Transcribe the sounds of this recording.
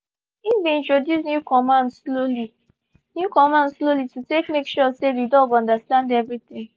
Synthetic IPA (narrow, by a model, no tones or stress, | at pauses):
ifbĩĩntɹodjusnjukɔmãndsloli | njukɔmãndslolitutekmekʃɔseðidɔɡɔ̃ndastãndɛvɹit̪ɪ̃ŋ